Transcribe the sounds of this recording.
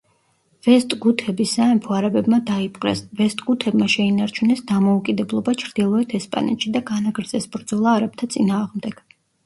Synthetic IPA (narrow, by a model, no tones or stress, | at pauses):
v̥ɛst̪ʼɡut̪ʰɛbisaɛmpʰɔaɾabɛbmad̪aipʼqʼɾɛ̰svɛst̪ʼɡ̥ut̪ʰɛbmaʃɛinaɾt͡ʃʰunɛsd̪amɔukʼid̪ɛblˠɔbat͡ʃʰɾd̪̥ilˠɔɛt̪ʰɛspʼa̰nɛ̰t̪ʃid̪aɡanaɡɾd̪zʼɛsbɾd̪z̥ɔlˠaːɾab̚t̪ʰat̪sʼinaːʁmd̪ɛɡ̥